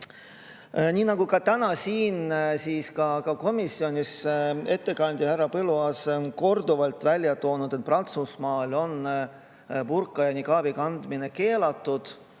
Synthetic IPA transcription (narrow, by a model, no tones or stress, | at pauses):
nʲiːnɑɡ̥ukɑt̪ænɑsiːnsiːskɑkɑko̞misːio̞nʲise̞t̪ːe̞kɑnʲd̪̥ʲjɑhærːɑpɤluɑsnko̞rd̪uvɑlt̪vælʲjɑt̪o̞ːnud̪et̪̚prɑnt̪susmɑːlo̞n | purkːˑɑjɑnikɑːb̥ikɑnd̪mine̞ke̞ːlɑt̪ːˑud̪̥